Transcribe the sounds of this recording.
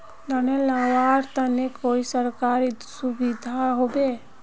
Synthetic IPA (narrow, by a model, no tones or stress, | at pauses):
d̪ənelaʋaːɾt̪ənekoːisəɾkaːɾi | subid̪ʱaɦobe